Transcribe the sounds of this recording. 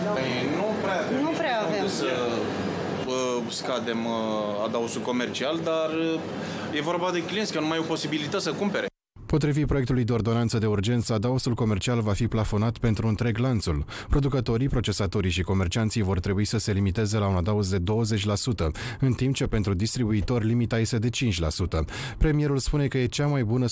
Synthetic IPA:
əjnupɾeaknupɾeaavasə | skad̪e̞mad̪ausulko̞me̞rt͡ʃiald̪arə | je̞vo̞rbad̪e̞kliensʲkənumajopo̞sibilit̪ət̪səkumpe̞ɾe | po̞t̪ɾivipɾoekt̪ulujd̪e̞o̞rd̪o̞nant̪səd̪e̞urd͡ʒe̞nt̪səad̪ausulko̞me̞rt͡ʃialvafiplafo̞nat̪pe̞nt̪ɾuɨnt̪ɾe̞ɡlant̪sul | pɾo̞d̪ukət̪o̞ɾipɾo̞t͡ʃe̞sat̪o̞ɾijʃiko̞me̞rt͡ʃiant̪sijvo̞rt̪ɾe̞buisəse̞limit̪e̞ze̞launad̪ausd̪e̞d̪o̞wəze̞t͡ʃʲlasut̪əɨnt̪imp̚t͡ʃe̞pe̞nt̪ɾud̪ist̪ɾibuit̪o̞rʲlimit̪aje̞st̪e̞d̪e̞t͡ʃint͡ʃʲla̰sut̪ə | pɾe̞mije̞ɾulspune̞kəje̞t͡ʃamajbunə

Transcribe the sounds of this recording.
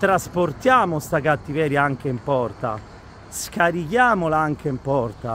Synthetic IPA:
t̪ɾasport̪jaːmʊst̪akat̪ːivɛːɾjaaŋkeimpɔrt̪a̰ | skaɾikjaːmolaaŋk̟eimpɔrt̪a

